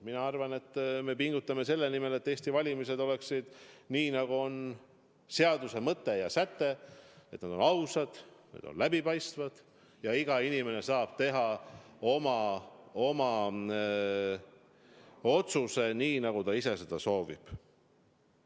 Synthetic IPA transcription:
minɑɑrvɑne̞t̪ːme̞piŋɡ̥ut̪ˑːɑme̞se̞lːenime̞le̞t̪ːeːst̪ivɑlʲimise̞d̪o̞le̞ksid̪̥niːnɑɡ̥uo̞n | se̞ɑd̪use̞mɤt̪ˑːe̞jɑsæt̪ːe̞e̞t̪nɑd̪o̞nɑwsɑd̪̥nḛd̪̥o̰nlæbipɑjst̪vɑd̪̥ | jɑiɡ̥ɑinime̞ne̞sɑːb̥t̪e̞ɦɑo̞mɑo̞mɑ | o̞t̪suse̞niːnɑɡ̥ut̪ɑise̞se̞d̪̥ɑso̞ːvḭb̥

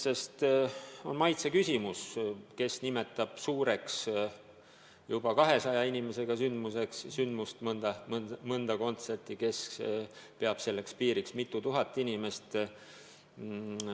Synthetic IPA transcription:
se̞st̪o̞nmɑjt̪sekysʲimuske̞snime̞t̪ːˑɑb̥suːɾe̞ks | jub̥ɑkɑɦe̞sɑjɑinʲime̞se̞ɡ̥ɑsynd̪̥muse̞kssynd̪̥must̪mɤnd̪̥ɑmmɤnd̪̥ɑko̞nt̪se̞rt̪ike̞s | peɑb̥se̞lːe̞kspiːɾiksmit̪ːˑut̪uɦɑt̪ːˑinʲime̞st̪

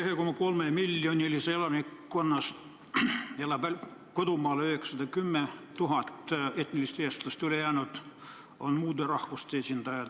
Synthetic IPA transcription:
hekomːɑkolmemilːjonʲiliselɑmikkːonːɑst̪ | elːɑbælkod̪umɑːlyheksɑd̪ɑkymːet̪uɦɑt̪et̪nilist̪eːst̪lɑst̪ylejæːnut̪ | onmuːd̪ɑrɑhʋust̪esʲind̪̥ɑjɑ

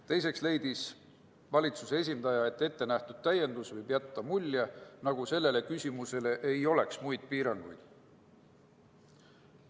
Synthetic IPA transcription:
t̪e̞jse̞ksle̞jd̪̥is | vɑlʲit̪susee̞s̬ʲind̪̥ɑjɑe̞t̪ːˑe̞t̪ːe̞næht̪ud̪̥̚t̪æjːe̞nd̪̥usvɤjbjæt̪ːɑmulʲːjenɑɡ̥use̞lːe̞le̞kysʲimuse̞le̞ʔejo̞le̞ksmujd̪̥̚piːɾɑŋɡ̥ujd̪̥

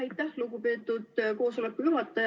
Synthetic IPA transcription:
ɑjt̪ːˑæhluɡupe̞ːt̪ːˑud̪̥ko̞ːso̞le̞kkːˑujyɦɑt̪ːˑɑj

